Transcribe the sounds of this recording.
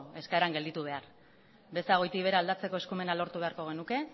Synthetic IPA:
e̞skaeɾaŋɡe̞ld̪it̪uβ̞e̞aɾ | be̞saɣo̞jt̪iβe̞ɾaːld̪at͡se̞ko̞e̞skume̞nalo̞ɾt̪uβe̞aɾko̞ɣ̞e̞nuke̞

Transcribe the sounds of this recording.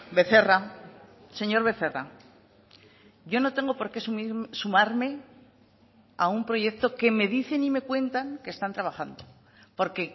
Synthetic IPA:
be̞θe̞ra | se̞ɲo̞ɾβe̞θe̞ra | ʝo̞no̞t̪e̞ŋɡopo̞ɾke̞sumisumaɾme̞ | aumpɾo̞ʝe̞kt̪o̞ke̞me̞ðiθe̞nime̞kwe̞nt̪aŋke̞ːst̪ant̪ɾaβaxand̪o̞ | po̞ɾke̞

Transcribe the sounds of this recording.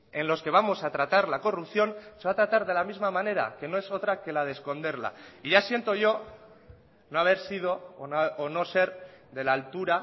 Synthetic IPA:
e̞nlo̞ske̞β̞amo̞sat̪ɾat̪aɾlako̞rupθjo̞nse̞βat̪ɾat̪aɾðe̞lamizmamane̞ɾa̰ke̞no̞e̞so̞t̪ɾake̞laðesko̞nd̪e̞ɾla̰iʝasje̞nt̪o̞ʝo̞ | no̞aβ̞e̞ɾsið̞o̞ː | no̞se̞ɾðe̞laːlt̪uɾa

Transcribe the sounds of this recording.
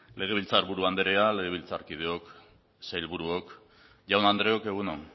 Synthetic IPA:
le̞ɣ̞e̞β̞ilt͡saɾβuɾuand̪eɾe̞ale̞ɣe̞βilt͡saɾkið̞e̞ok | sajlβuɾuok | ʝawnand̪ɾe̞o̞ke̞ɣ̞unon

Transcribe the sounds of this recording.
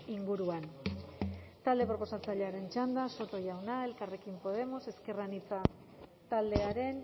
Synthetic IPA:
iŋɡuɾuan | t̪ald̪e̞pɾo̞po̞sat͡saʎeaɾe̞nt͡ʃand̪aso̞t̪o̞ʝawnae̞lkare̞kimpo̞ð̞e̞mo̞se̞ske̞ranit͡sa | t̪ald̪e̞aɾe̞n

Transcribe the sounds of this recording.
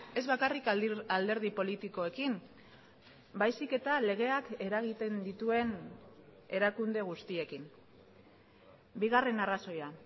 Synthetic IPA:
e̞zβakarikald̪e̞ɾð̞ipo̞lit̪iko̞e̞kim | bajsike̞t̪ale̞ɣ̞e̞ake̞ɾaɣ̞it̪e̞nd̪it̪ue̞n | e̞ɾakund̪e̞ɣ̞ust̪ie̞kin | biɣ̞are̞naraso̞ja

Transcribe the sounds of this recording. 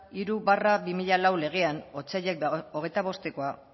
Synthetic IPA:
iɾuβarabimiʎalawle̞ɣ̞e̞ano̞t͡saʎek̚oɣ̞e̞jt̪aβ̞o̞st̪e̞ko̞a

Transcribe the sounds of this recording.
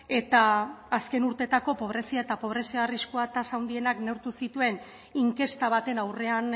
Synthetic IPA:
e̞t̪aːske̞nuɾt̪e̞t̪ako̞po̞β̞ɾe̞siaet̪apo̞β̞ɾe̞siariskoat̪asawnd̪ie̞nakne̞wɾt̪usit̪ue̞n | iŋke̞st̪aβ̞at̪e̞nawre̞an

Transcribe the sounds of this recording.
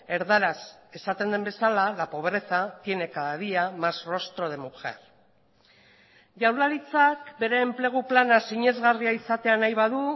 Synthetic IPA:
e̞ɾðaɾase̞sat̪e̞nd̪e̞mbe̞salalapo̞β̞ɾe̞θat̪je̞ne̞kaðaðiamasro̞st̪ɾoð̞e̞muxe̞̰ɾ | ʝawlaɾit͡sakbe̞ɾe̞ːmple̞ɣ̞uplanasiɲe̞zɣariaisat̪e̞anajβ̞aðu

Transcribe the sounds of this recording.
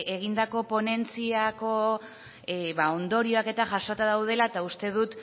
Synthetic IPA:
e̞ɣ̞ind̪ako̞po̞ne̞nt͡siako̞ | βao̞nd̪o̞ɾio̞ake̞t̪aʝaʃo̞t̪aðawð̞e̞laet̪aust̪e̞ðut̪

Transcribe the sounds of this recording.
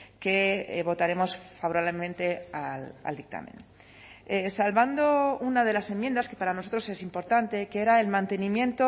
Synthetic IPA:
ke̞βo̞t̪aɾe̞mo̞sfaβoɾaβlemẽnt̪e̞ala̰ld̪ik̚t̪a̰mḛ̃n | esalβand̪o̞unað̞e̞lase̞mje̞nd̪aske̞paɾanoso̞t̪ɾose̞simpo̞ɾt̪ant̪e̞keɾaelmãnt̪e̞nĩmjẽ̞nt̪o

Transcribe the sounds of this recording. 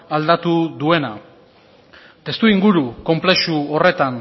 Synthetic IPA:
ald̪at̪uðue̞na | t̪e̞st̪uiŋɡuɾuko̞mple̞ʃuo̞re̞t̪an

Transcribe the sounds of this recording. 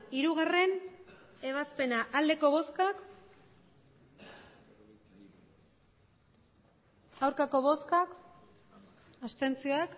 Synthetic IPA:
iɾuɣ̞are̞n | e̞β̞aspe̞naʔald̪e̞ko̞βo̞skak | awɾkako̞βo̞skak | ast̪e̞nt͡sio̞ak

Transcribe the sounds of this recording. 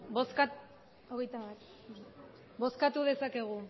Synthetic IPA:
bo̞ska | oɣejt̪aβat̪ | bo̞skat̪uðe̞sake̞ɣu

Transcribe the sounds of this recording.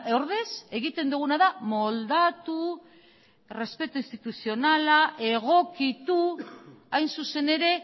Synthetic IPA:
oɾðe̞se̞ɣit̪e̞nd̪uɣ̞unaðamo̞ld̪at̪u | re̞spe̞t̪uist̪it̪usio̞nalaʔe̞ɣ̞o̞kit̪u | ajnsuse̞ne̞ɾe̞

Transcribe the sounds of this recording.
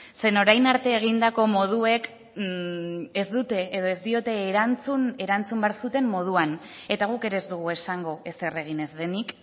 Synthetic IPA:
se̞no̞ɾajnaɾt̪e̞ːɣ̞ind̪ako̞mo̞ð̞ue̞k | ezd̪ut̪e̞ːðo̞ezd̪io̞t̪e̞ːɾant͡sune̞ɾant͡sumbaɾsut̪e̞mːo̞ð̞uane̞t̪aɣ̞uke̞ɾe̞zd̪uɣ̞ue̞saŋɡo̞ʔe̞se̞re̞ɣ̞ine̞zðe̞nik

